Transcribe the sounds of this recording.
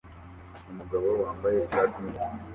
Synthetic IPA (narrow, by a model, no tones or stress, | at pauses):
umuɡaβowaːmbaje̞iʃaːtimi